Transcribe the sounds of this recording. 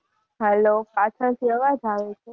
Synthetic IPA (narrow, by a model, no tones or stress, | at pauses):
ɦɛlopat͡ʃʰəɾt̪ʰiəʋad͡ʒaʋet͡ʃʰe